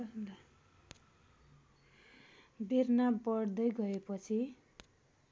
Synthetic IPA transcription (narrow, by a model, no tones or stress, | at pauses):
birnabʌɽd̪ʌjɡʌepʌt͡sʰi